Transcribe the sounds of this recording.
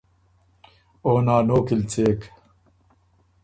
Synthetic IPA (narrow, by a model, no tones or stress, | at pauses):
oːnaːnoːkilt͡seːk